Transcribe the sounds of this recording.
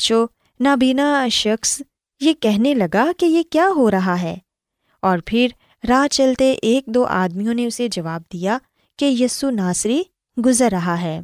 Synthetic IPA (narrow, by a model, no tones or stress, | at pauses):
t͡ʃoː | nabiːnaʃɐxs | jekɛɦnelɐɡakejekjaːɦoɾɐɦaɦɛː | ɔːɾpʰɪɾ | ɾaːt͡ʃɐlt̪eʔeːk̚d̪oːʔa̰ːd̪mijõneʊsed͡ʒɐʋaːb̚d̪ija | kejiːsunaːsɾi | ɡʊzəɾːɐɦaɦɛː